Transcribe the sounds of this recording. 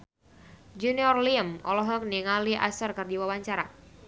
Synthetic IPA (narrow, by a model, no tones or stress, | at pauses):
d͡ʒuniɔrliəmɔ̰lɔɦɔk̚niŋaliʔa̰sərkɨrdiwawaɲt͡ʃaɾa